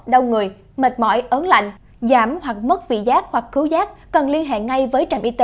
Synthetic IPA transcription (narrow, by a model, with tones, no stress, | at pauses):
ɗə˧wŋɨ˨˩əj | mə˨˩t̚mɔ̰˧˩jʔəː˨˦nla̰˧˨jŋ̟ | zaː˧˩mhwa˨˩k̚mə˦˥t̚vḭ˧˨zaː˦˥k̚hwa˨˩k̚xɨ˨˦wzaː˦˥k̚ːɔ˨˩nli˧ənɦḛ˧˨ŋa˧jvəː˨˦jt͡ɕə˨˩mʔi˧t̪e˨˦